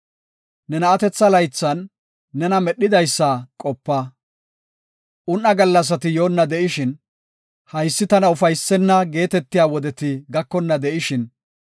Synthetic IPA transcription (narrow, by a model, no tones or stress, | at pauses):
nɛnɐːt̪ɛt͡sːɐlɐjt͡sːɐnː | ɛnɐmɛɗːɪd̪ɐjsːakʼɔpːɐ | ʔʊnːɐɡɐlːɐs̬ɐt̪ɪjoːnːɐd̪ɛʔɪʃɪn | hɐjsːɪt̪ɐnɐʊfɐjsːɛnːɐɡe̞ːt̪ɛt̪ːɪjaːwɔd̪ɛt̪ɪɡɐkːɔnːɐd̪ɛʔɪʃɪn